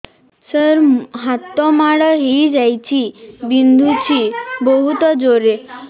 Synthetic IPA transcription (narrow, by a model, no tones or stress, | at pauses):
səɾɦat̪ːɔmaɽəɦid͡ʒajt͡ʃʰibind̪ʱut͡ʃʰibəɦut̪ɔd͡ʒoɾe